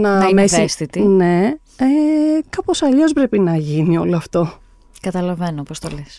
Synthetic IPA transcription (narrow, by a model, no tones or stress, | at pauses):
nɐmesest̪it̪ine̞ | ekɐpo̞sɐʎo̞zpɾe̞pinɐʝinio̞loɐft̪o̞ | kɐt̪ɐlɐve̞nopost̪oles